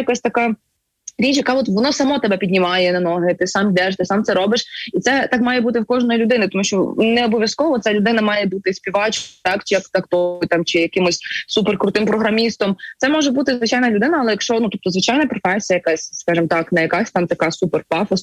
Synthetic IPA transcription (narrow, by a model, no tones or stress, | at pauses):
jɐkasʲt̪ɐkɑ | ɾʲit͡ʃjɐkɑʋɔt̪ʋɔnɔsɐmɔt̪ɛbɛpʲid̪ʲnʲimɑjɛnɐnɔɦɪt̪ɪsɑmd̪ɛʃt̪ɪsɑmtsɛɾɔbɪʃit̪sɛt̪ɑkmɑjɛbut̪ɪwkɔʒnɔjilʲʊd̪ɪnɪt̪ɔmuʃt͡ʃɔnɛɔbɔʋʲjɐskɔʋɔt̪salʲʊd̪ɪnɐmɑjɛbut̪ɪsʲpʲiʋɑt͡ʃt̪ɑkt͡ʃɪjɐkt̪ɐkt̪ɔjt̪ɑmt͡ʃɪjɐkɪmɔsʲsupɛrkɾʊt̪ɪmpɾɔɦɾɐmʲist̪ɔmt̪sɛmɔʒɛbut̪ɪzʋɪt͡ʃajnɐlʲʊd̪ɪnɐːlˠɛjɐkʃt͡ʃɔnut̪ɔp̚t̪ɔzʋɪt͡ʃɑjnɐpɾɔfɛsʲijɐjɐkasʲskɑʒɨmt̪ɑknɐjɐkasʲt̪ɑmt̪ɐkɑsupɛrpɑfɔs